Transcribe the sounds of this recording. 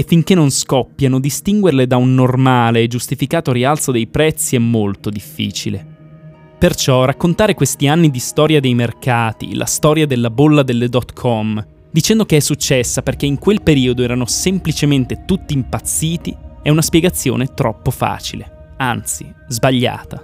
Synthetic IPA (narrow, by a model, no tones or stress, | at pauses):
efːiŋk̟enːonskɔpːjanod̪ist̪iŋɡwerled̪aunːormaːleːd͡ʒust̪ifikaːt̪oɾialt̪sod̪ejpɾɛt̪sːiɛmːolt̪od̪ifːḭːt͡ʃile | pert͡ʃɔrakːont̪aːɾekwest̪ianːid̪ist̪ɔːɾjad̪ejmerkaːt̪ḭlʔa̰st̪ɔːɾjad̪elːabolːad̪elːed̪ɔt̪kʰɔm | d̪it͡ʃɛnd̪okeɛsːut͡ʃːɛsːaperkeiŋkwelpeɾiːod̪oɛːɾanosemplit͡ʃement̪et̪ut̪ːiːmpat̪sːiːt̪iɛunaspjɛɡat̪sːjo̰ːnet̪ɾɔpːofa̰ːt͡ʃile | ant̪si | zbaʎːa̰ːt̪a